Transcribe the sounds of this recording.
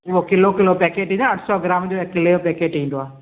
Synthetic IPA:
ʋoːkɪlokɪlopɛːkeːʈɦĩnd̪aəʈʰsɔːɡɾaːmd͡ʒoːekɪleopɛːkeːʈĩːnd̪oaː

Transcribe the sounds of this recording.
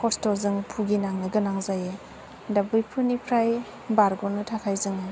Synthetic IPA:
kʰɔstɔzɯŋpʰuɡinaŋnɯɡɯnaŋzaje | dabɯjpʰɯnipʰɾaj | baɾɡɔnɯtʰakʰajzɯŋa

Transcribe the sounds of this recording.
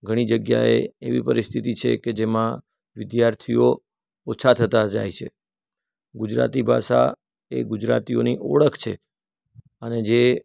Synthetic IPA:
ɡʱəɽ̃id͡ʒəɡja̰ḛeʋipəɾist̪ʰit̪it͡ʃʰḛked͡ʒemã | ʋɪd̪jaɾt̪ʰijo | ot͡ʃʰat̪ʰət̪ad͡ʒa̰jt͡ʃʰḛ | ɡud͡ʒɾa̰t̪ibʱa̰ʃa̰ | eɡud͡ʒɾa̰t̪ioniʔoɭəkʰt͡ʃʰe | əned͡ʒe

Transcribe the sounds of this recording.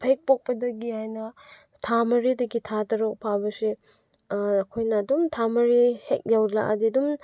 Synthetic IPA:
pʰɐjk̚pok̚pɐdɐɡiajnɐ | tʰamɐɾidɐɡitʰatɐɾok̚pʰawbɐsiː | kʰojnɐːdumtʰamɐɾihek̚jawla̰kɐ̰diɐdum

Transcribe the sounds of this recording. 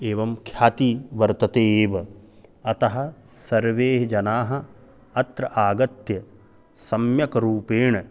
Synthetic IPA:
eːʋɐmkʰjaːt̪iʋɐɾt̪ɐt̪eːʋɐ | ɐt̪ɐɦɐ̆sɐɾʋeːɦɐd͡ʒɐnaːɦɐ̆ | ɐt̪ɾɐʔaːɡɐt̪jɐ | sɐmjɐkɐɾuːpeːɳɐ

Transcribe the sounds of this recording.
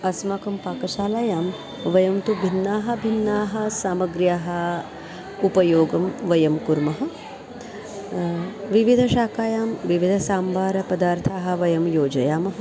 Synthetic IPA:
ɐsmaːkɐmpaːkɐʃaːlaːjaːm | ʋɐjɐmt̪ubʱinːaːɦɐbʱinːaːɦɐ̆saːmɐɡɾjaːɦɐ | upɐjoːɡɐmʋɐjɐmkuɾmɐɦɐ̆ | ʋiʋid̪ʱɐʃaːkaːjaːmʋiʋid̪ʱɐsaːmbaːɾɐpɐd̪aːɾt̪ʰaːɦɐ̆ʋɐjɐmjoːd͡ʒɐjaːmɐɦɐ

